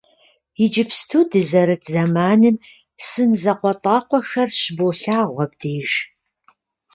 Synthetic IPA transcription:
jɪd͡ʒɪpstʰuːdɨzɐɾɨtʰzɐmaːnɨm | sɨnzɐqʷɔtʼɑːqʷɔxɐrɕboːɬaːʁʷɐb̚diːʒ

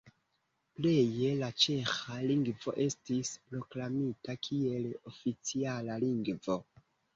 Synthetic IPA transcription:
ple̞je̞lat͡ʃe̞xaliŋɡvo̞̰ʔe̞stispɾo̞klamitakʰie̞lo̞fit͡sialaliŋɡvo̞

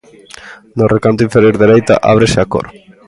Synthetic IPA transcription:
norekant̪̬ĩɱfeɾjoɾðeɾejt̪a̰ʔa̰β̞ɾeseako̰ɾ

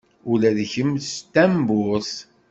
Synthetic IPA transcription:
ulæðçəmst̪æmbʊs

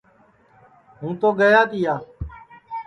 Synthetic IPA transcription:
ɦũːt̪oːɡəjaːt̪ɪjaː

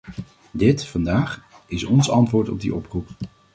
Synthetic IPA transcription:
dɪtfɑndaːχ | ɪsɔnsɑntʋʊːɹtɔb̚dḭʔɔprup

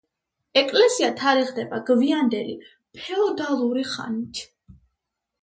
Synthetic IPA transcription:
ɛkʼlɛsiat̪ʰaɾiʁd̪ɛbaɡviand̪ɛlḭ | pʰɛɔd̪alˠuɾiχa̰nit̪ʰ

